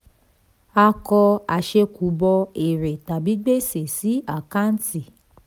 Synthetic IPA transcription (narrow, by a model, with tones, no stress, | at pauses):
a˧kɔ˧a˨ʃe˧ku˨˦bɔ˧e˨ɾe˨ta˨bi˨˦ɡ͡be˦se˨si˨˦a˦˨ka˦n̩˦ti˦˨